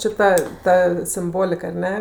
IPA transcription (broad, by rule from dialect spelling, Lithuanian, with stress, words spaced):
ˈt͡ʃʲeː ˈtɐ ˈtɐ sʲɪmˈboːlʲɪk ɐr ˈnʲɛ